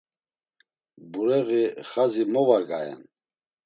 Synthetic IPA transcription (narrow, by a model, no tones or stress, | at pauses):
buɾɛɣiχazimɔvaɾɡaɛ̰n